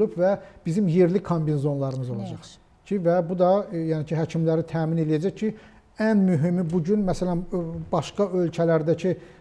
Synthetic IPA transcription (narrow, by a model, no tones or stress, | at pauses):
lupvæb̥izimjeɾlikʰombinzo̞nlˠɑɾɯmɯzo̞lˠɑd͡ʒɑχ | cʰivæbud̪ɑjænicʰiɦæcʰimlæɾit̪ʰæːmine̞lijæd͡ʒæçcʰi | ænmyɦimibuɟynmæsælænbɑʃkɑʔølcʰælæɾd̪æcʰi